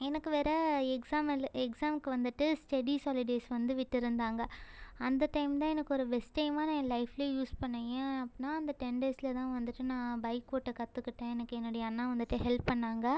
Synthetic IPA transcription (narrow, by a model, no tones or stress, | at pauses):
ɛnɐkːɯʋeːɾɐɛksaːmɐlɛksaːmkɯʋɐnd̪ɯʈːɯsʈɛɽisɔːlɪɖeːsʋɐnd̪ɯʋɪʈːɯɾɯnd̪aːŋɡɐɐnd̪ɐʈɐɪmt̪̬ãːɛnɐkːɯɔɾɯbɛsʈːɐɪmaːnãːlɐɪfleːjuːspɐɳːɐjẽɐpːɪnːaːɐnd̪ɐʈɛnɖeːsɪlɐt̪ãːʋɐnd̪ɯʈːɯnãːbɐɪkːoːʈːɐkɐt̪ːɯkːɪʈːẽɛnɐkːɯɛnːoːɽɐjɐɐnːãːʋɐnd̪ɯʈːɯɦɛlpːɐɳːaːŋɡɐ